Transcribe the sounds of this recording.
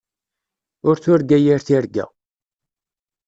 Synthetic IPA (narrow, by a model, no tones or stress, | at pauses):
ʊɾθʊɾɡæjiɾθiɾɡæ̰